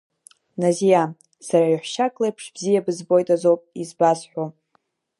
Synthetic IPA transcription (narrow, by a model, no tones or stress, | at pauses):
nazija | saɾaɥħʷʃakʼlajpʰʂbzijabɨzbo̞jtʼazo̞wpʼizbazħʷᶣo